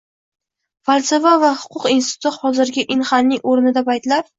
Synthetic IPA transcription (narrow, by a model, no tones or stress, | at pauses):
falʲsevavahʊ̥qʰʊqinst̪ɪ̥t̪ʰʊt̪hɒzɪɾɡʲɪʔɪnχannːɪŋoɾnɪd̪apʰajt̪laɾ